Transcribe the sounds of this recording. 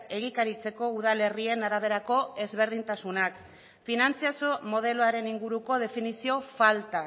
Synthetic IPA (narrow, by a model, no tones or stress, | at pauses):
e̞ɣ̞ikaɾit͡se̞ko̞uð̞ale̞rie̞naɾaβ̞e̞ɾako̞e̞zβe̞ɾð̞int̪asunak | finant͡siasomo̞ðe̞loaɾe̞niŋɡuɾuko̞ð̞e̞finisio̞falt̪a